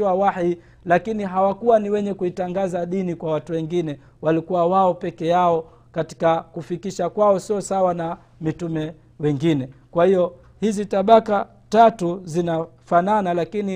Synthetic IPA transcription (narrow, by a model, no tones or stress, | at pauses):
iwawai | lakiniɦawakuwaniwɛɲɛkuitaŋɡazaɗinikwawatuwɛŋɡinɛ | walikuwawaɔpɛkɛjaɔ | kati̥kakufikiʃakwaɔsiɔsawana | mitumɛ | wɛŋɡinɛkwahijɔ | hizitaɓaka | tatuzinafananalakini